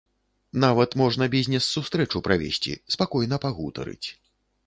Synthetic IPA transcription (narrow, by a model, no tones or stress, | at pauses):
navɐt̪mɔʐn̪ɐbʲizʲnʲɛsːust̪ɾɛt͡ʂupɾavʲḛsʲt͡sʲḭspakɔjnɐpaɣut̪ɐ̰ɾɨ̰t͡sʲ